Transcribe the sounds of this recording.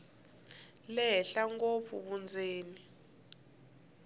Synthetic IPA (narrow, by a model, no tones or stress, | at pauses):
lɛɬaŋɡop̪fʰṵɓund͡zʱeːni